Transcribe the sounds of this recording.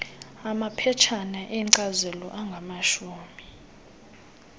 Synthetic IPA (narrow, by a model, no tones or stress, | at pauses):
amapʰɛt͡ʃʰanaʔiǀazɛlɔ̰ʔaŋɡʱamaʃuːmi